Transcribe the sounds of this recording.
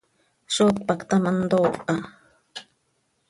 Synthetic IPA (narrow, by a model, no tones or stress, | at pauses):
ʃot̪̚pakt̪amand̪oʔa